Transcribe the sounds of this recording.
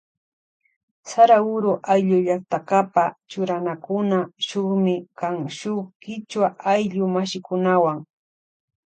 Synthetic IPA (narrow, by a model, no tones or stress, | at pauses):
saɾaʊɾʊʔajʎʊʎak̚t̪akapat͡ʃʊɾanakʊnaʃoχmɪkaŋʃoχkɪt͡ʃwaʔajʎʊmaʃɪkʊnawaŋ